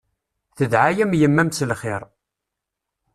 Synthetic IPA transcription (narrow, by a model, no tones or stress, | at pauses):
θəðʕajæmjəmːæmslχɪɾ